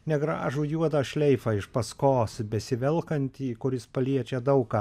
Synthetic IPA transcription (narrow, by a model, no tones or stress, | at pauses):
nʲɛɡɾɑ̰ːʒuːjuɔd̪ɐʃʲlʲɛɪfɑːɪʃpɐskoːsbʲɛsʲɪʋʲɛlˠkɐnʲt̪ʲiːkʊɾʲɪspɐlʲiɛt͡ʃʲɛd̪ɐʊkɑː